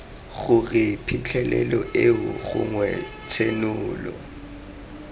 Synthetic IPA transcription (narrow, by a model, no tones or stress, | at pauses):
ɣʊɣɪpʰit͡ɬʰɛlɛlɔʔeʊɣʊ̰ŋwɛ | t͡sʰenʊːlɔ